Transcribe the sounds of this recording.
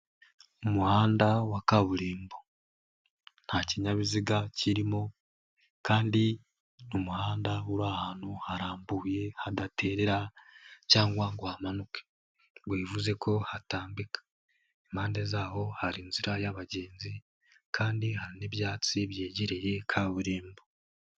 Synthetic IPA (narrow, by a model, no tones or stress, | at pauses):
umuhaːndawakaβuɾiːmbo | n̥haciɲaβiziɡaciɾimo̞ | kaːndi | nomuhaːndauɾahaːn̥huhaɾaːmbuːje̞hadatʰe̞ɾe̞ɾacaːŋɡwaŋɡwaamanuke̥ | βwiːvuze̞ko̞hataːmbikḁ | emhaːnde̞zaːho̞haɾinziɾajaβaɟe̞ːnzi | kʰaːndihaɾineβjaːt͡siβje̞ːɟeɾe̞je̞kʰaβuɾiːmbo